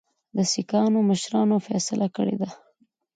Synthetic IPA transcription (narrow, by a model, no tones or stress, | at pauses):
d̪əsikɑnoməʃɾɑnofɛsɪlʔakə̰ɽḛd̪a